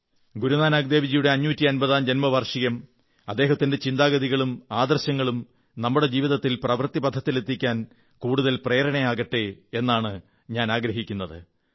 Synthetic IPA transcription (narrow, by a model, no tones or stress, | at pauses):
ɡuɾunaːnaɡ̚d̪e̞ːʋid͡ʑijuɽe̞ɐɲːuːtːiɐnbɐðaːmd͡ʑɐnmɐʋɐrʂijɐm | ɐd̪ːe̞ːɦɐt̪ːinde̞t͡ɕind̪aːɡɐðiɣɐɭumaːd̪ɐrɕɐŋːɐɭum | nɐmːuɽe̞d͡ʑiːʋiðɐt̪ːilprɐʋrt̪ːibɐd̪ʱːɐt̪ːilet̪ʰːikʲːaːn | kuːɽuðɐlpreːɾɐɳɐjaːɣɐʈːee̞nːaːɳɨ | ɲaːnaːɡɾɐɦikʲːunːɐðɨ̰